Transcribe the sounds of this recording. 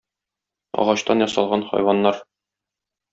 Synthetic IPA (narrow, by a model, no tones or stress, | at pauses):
ɒ̰ʁɑɕt̪ɑnjɒsɑlˠʁɑnχɒ̰jwɑnːɑɾ